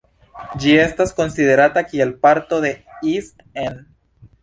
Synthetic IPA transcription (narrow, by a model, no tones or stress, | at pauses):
d͡ʒie̞st̪asko̞nsiðe̞ɾat̪akielpaɾt̪o̞ðe̞ist̪en